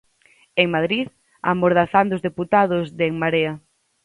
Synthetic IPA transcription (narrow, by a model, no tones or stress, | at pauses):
eŋmaðɾið | a̰moɾðaθand̪ozðeput̪aðʊzðeŋmaɾea